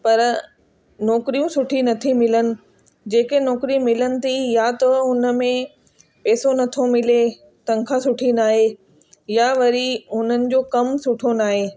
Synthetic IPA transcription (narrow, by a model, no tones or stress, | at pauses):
pɐɾ | nɔːkɾijũsʊʈʰinɐt̪ʰimɪlənɪ̆ | d͡ʑeːkenɔːkɾimɪlənɪ̆t̪ʰijat̪ɐʊnə̆mẽ | pɛːsonɐt̪ʰomɪle | t̪ɐ̃ŋkʰasʊʈʰinaːɦe | jaʋɐɾiɦʊn̤ənɪ̆d͡ʑoːkɐmsʊʈʰonaːɦeː